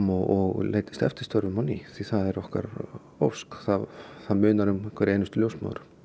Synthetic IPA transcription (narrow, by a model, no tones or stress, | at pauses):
mɔɔɣleːjt̪ɪ̥st̪ɛft̪ɪ̥st̪œɾvʏmawniθiθaðɛɾɔhka̰ɾ | owskθaðθaðmʏːnaɾʏmkʰvɛɾeːjnʏst̪ʏljowsma̰wðɾʏ̥